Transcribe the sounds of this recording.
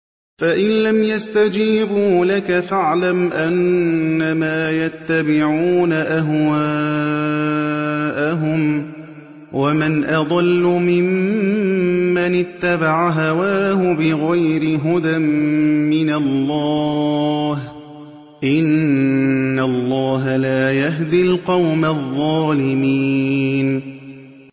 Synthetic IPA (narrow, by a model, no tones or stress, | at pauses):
faʔɪnlamjast̪ad͡ʒiːbuːlakafaʕlamʔanːamaːjat̪ːabɪʕuːnaʔaɦwa | ʔaɦʊm | wʔamɪnʔɑd̪ˤɑlːʊmɪm | anɪt̪ːabaʕaɦawaːhʊbɪɣajɾɪɦʊd̪amːɪnalːɑ | h | ʔɪnː | alˤːɑːɦalaːjaɦd̪ɪlqɑwmaðˤːɑːlɪmiːn